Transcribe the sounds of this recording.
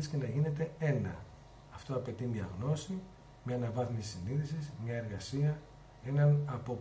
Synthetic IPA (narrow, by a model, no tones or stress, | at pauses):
isce̞nɐʝine̞t̪e̞e̞nɐ̰ | ɐft̪o̞ɐpe̞t̪iniɐɣno̞si | mɲeːnɐvɐθmisːiniðisizɲɐe̞ɾɣɐsiɐ | e̞nɐnɐpo̞